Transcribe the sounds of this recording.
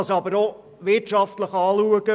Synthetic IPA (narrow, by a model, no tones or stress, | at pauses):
ɑsɑbəɾo | vɪrtʃɑftləχɑːlˠuəkə